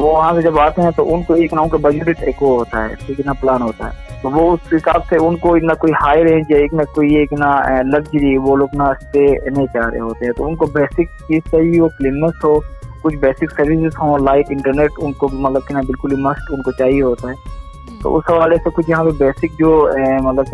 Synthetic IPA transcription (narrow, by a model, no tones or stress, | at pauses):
ʋoʋɐɦãp̬ed͡ʒɐbaːt̪eɦɛ̃t̪o̰ʔʊnkoeːknaʊnkabɐd͡ʒeɖɪʈeːkoɦoːt̪aɦɛ̰ːsokɪnaplaːnɦoːt̪aɦɛ̰ːt̪oʋoʊsɦɪsa̰ːbseʊnkoɪnakoːihaːɪɾɦɛ̃d͡ʒaeːknakoːieːknalɐɡd͡ʒəɾiʋoloːɡnaɪst̪enẽt͡ʃaːɾḛɦoːt̪eɦɛ̃t̪o̰ːʊnkobɛːsɪk̚t͡ʃiːzt͡ʃaːɦiɦoːklɪnːəsɦoːkʊt͡ʃʰbɛːsɪksɐɾʋɪsɪzɦõːlaːɪʈɪ̃ɳʈəɾneːʈʊnkomɐt̪ləb̚kinabɪlkʊlimɐsʈʊnkot͡ʃaːɦiɦoːt̪aɦɛː | t̪o̰ʔʊsɦɐʋaːlesekʊt͡ʃʰjɐɦãpebɛːsɪk̚d͡ʒoːmɐt̪ləb̚